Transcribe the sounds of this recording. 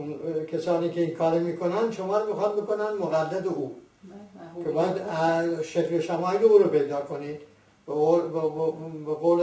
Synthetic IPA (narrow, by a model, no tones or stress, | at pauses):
nkʰʲesɒːniːkeiːnkʰɒːɾimiːkʰonænd̪ʃomɒːɾmixɑnbekonænmoɣæd̪ːæd̪eʔuː | kʲʰebɒːjæd̪æʃekloʃæmɒːjileuːɾopejd̪ɒːkʰoniːd̪ | beo | beɣoːl